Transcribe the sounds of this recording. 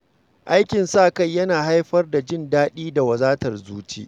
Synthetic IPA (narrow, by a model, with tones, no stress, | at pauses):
ʔa˦jkʲɪ˨nsaː˦˨ka˦˨jːɐ˦naː˨ɦa˦jɸɐ˦rda˨d͡ʒɪ˦ndaː˦ɗiː˦da˨wɐ˨zaː˦tɐ˨rzuː˦t͡ʃḭː˦ʔ